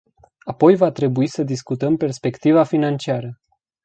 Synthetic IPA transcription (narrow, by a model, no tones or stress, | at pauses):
apo̞jvat̪ɾe̞buisəd̪iskut̪əmpe̞rspe̞kt̪ivafinant͡ʃiaɾə